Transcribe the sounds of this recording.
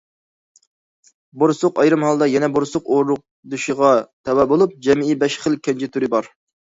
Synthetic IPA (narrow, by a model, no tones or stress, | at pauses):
boɾsʊqɑjɾɨmɦɑlˠd̪ɑjɛnɛboɾsʊqoɾɾʊq̚ | d̪uʃiʁɑt̪ʰɛwɛbolˠup̚d͡ʒɛmibɛʃχəlˠkʲʰɛnt͡ʃʰɪt̪ʰyɾɪbɑɾ